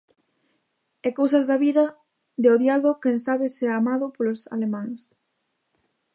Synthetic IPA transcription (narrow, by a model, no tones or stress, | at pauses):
ɛkowsɐzðaβiðɐ | ðeoðjaðokensaβɪseamaðʊpolosa̰lemãŋs